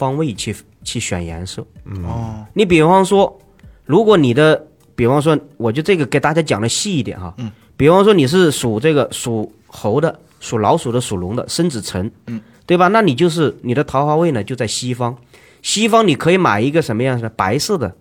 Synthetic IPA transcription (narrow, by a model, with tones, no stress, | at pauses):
fɑ˥ŋwe˥˩ɪt͡ɕʰi˥˩ | t͡ɕʰi˥˩ɕɥɛ̰˨˩njɛ̰˧˥nʂɤ˥˩ | ni˧˥p̬i˨˩˦fɑ˥ŋʂwɔ˥ | ɻu˧˥kwɔ˧˥ni˨˩d̪ə˦ | pi˨˩fɑ˥ŋʂ̬wɔ˥wɔ˨˩t͡ɕjo˥˧ʊʈ͡ʂɤ˥˩ɡə˩ke˨˩ɪt̪a˥˩t͡ɕja˥t͡ɕjɑ̰˨˩ŋlə˦ɕi˥˧i˥˩t̪jɛ̰˨˩nɐ˥˩ | pi˨˩˦fɑ˥ŋʂ̬wɔ˥ni˨˩ʂ̬ɻ̩˥˩ʂu˨˩ʈ͡ʂɤ˥˩ɡə˩ʂu˨˩ | xo˧˥ʊd̪ə˧ | su˨˩lɑ˧˥ʊʂu˨˩d̪ə˦ʂu˨˩lʊ˧˥ŋd̪ə̰˧ʂə˥nt͡sɻ̩˨˩t͡sʰə˧˥n | t̪we˥˩ɪbɐ˩na˥˩ni˨˩t͡ɕjo˥˧ʊʂ̬ɻ̩˥˩ni˨˩d̪ə˦t̪ʰɑ˧˥ʊxɑ˧˥ʊwe˥˩ɪnə˩t͡ɕjo˥˧ʊt͡sa˥˩ɪɕi˥fɑ˥ŋ | ɕi˥fɑ˥ŋni˨˩kʰɤ˧˥i˧˥ma̰˨˩ɪi˧˥ɡə˧ʂə˧˥nmə˧jɑ˥˩˧ŋʂpa˧˥ɪsɤ˥˩d̪ə˩